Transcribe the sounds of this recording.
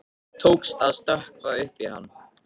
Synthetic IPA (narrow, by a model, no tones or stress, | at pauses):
t̪ʰoːwkst̪aðst̪œhkɾaɪhpiha̰nː